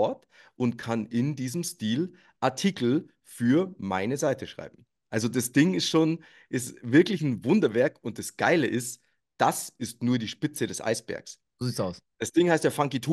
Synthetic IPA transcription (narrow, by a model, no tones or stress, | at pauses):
ɔɐt | ʔʊntkʰanʔɪndiːzəmstiːl | ʔaɐtʰiːkl̩ | fyːɐma̰ɪnəzaɪtəʃʁ̥a̰ɪbm̩ | ʔalzodasd̥ɪŋɪstʃoːn | ʔɪstvɪɐklɪçn̩vʊndɐvɛɐkʊnt̚d̥asɡ̥a̰ɪləʔɪst | d̥asɪstnuːɐdiːʃpɪt͡sədɛsʔa̰ɪsb̥ɛ̰ɐks | oziːtsaʊsd̥asd̥ɪŋhaɪstjaːfaŋkitʰu